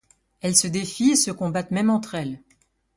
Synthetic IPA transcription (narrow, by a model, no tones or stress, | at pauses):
ɛlsəd̪efiesəkɔ̃bat̪mɛmɑ̃t̪χɛl